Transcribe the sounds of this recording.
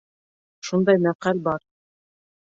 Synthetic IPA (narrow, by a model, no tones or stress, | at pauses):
ʃund̪ɑjmæqælʲbɑɾ